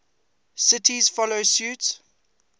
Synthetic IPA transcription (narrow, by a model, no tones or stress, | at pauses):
sɪtʰizfɔlosjuːts